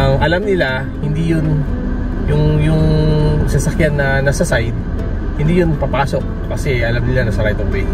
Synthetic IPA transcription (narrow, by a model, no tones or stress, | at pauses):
ɐŋʔɐlamnɪla | hɪnd̪ijon | jʊŋjʊŋsɐsɐkjanːɐnɐsɐsajd̪̚ | hɪnd̪ijonpɐpaːso̞k̚ːɐsɛʔɐlamnɪlanɐsɐɾajt̪obɛ